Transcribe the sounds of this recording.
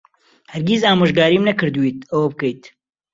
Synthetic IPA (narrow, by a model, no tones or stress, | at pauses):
hɐɾɡʲizaːmoːʒɡaːɾimnɐkɨɾd̪uwit̪̚ɐwɐbɨkɐjt̪